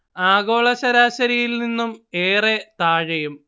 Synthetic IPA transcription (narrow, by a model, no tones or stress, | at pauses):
aːɣo̞ːɭɐɕɐɾaːɕɐɾijilninːumeːret̪aːɻɐjum